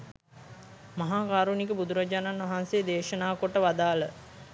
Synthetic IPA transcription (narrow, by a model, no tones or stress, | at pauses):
maɦaːkaːɾunik̬əbud̪uɾɐd͡ʒaːnanʋaɦansed̪eːʃənaːkoʈəʋad̪aːlə